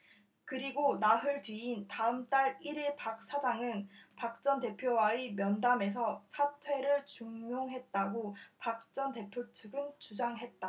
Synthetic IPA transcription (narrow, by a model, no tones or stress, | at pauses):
kɯɾiɡonaɦɯɭdɥiintaɯmt͈aɾiɾiɭpak̚s͈ad͡ʑaŋɯnpak̚t͡ɕ͈ʌnte̞pʰjowaimjʌndame̞s̬ʰʌsʰatʰwe̞ɾɯɭt͡ɕuŋɲjoŋɦe̞t̚t͈aɡopak̚t͡ɕ͈ʌnte̞pʰjot͡ɕʰɯɡɯnt͡ɕud͡ʑaŋɦe̞t̚t͈a